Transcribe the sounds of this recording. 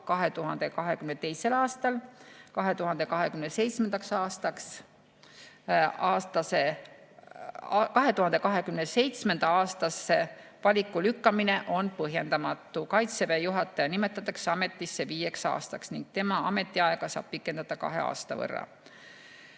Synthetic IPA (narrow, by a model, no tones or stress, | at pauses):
kɑɦe̞t̪uɦɑnd̪̥e̞kɑɦe̞kymnet̪e̞jse̞lɑːst̪ɑlkɑɦe̞t̪uhɦɑnd̪̥e̞kɑɦekymnese̞jt̪sme̞nd̪̥ɑksɑːst̪ɑks | ɑːst̪ɑse̞ | kɑɦe̞t̪uhɑnd̪e̞kɑɦe̞kymnese̞jt̪sme̞nd̪̥ɑɑːst̪ɑsːe̞vɑlʲikːˑulykːɑmine̞ʔo̞npɤɦje̞nd̪ɑmɑt̪ːˑukɑjt̪sevejuɦɑt̪ːˑɑjɑnime̞t̪ːˑɑt̪ːˑɑkseɑme̞t̪ːˑisːeviːje̞ksɑ̰ːst̪ɑksniŋɡ̥̚t̪e̞mɑɑ̰me̞t̪ːˑiɑeɡ̥ɑsɑ̰ːb̥pikːˑe̞nd̪̥ɑd̪̥ɑkɑ̰ɦe̞̰ɑ̰ːst̪ɑ̰vɤ̰rːɑ̰